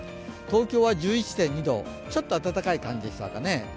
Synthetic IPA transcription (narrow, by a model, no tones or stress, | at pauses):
t̪o̞ːkʲo̞ːβad͡ʑɨːit͡ɕi̥t̪ẽ̞ɲ̟ːid̪o̰ː | t͡ɕo̞t̪ːoat̪at̪akaikãɲ̟d͡ʑid̪eɕi̥t̪a̰kane̞